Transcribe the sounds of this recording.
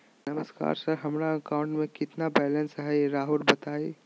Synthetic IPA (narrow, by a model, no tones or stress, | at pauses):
nɐməska̰ːɾsəɾɦɐmɾaɐkaːʊ̃ɳʈmẽkɪt̪nabɛːlə̃nsaeɾaːɦuɾbɐt̪aːi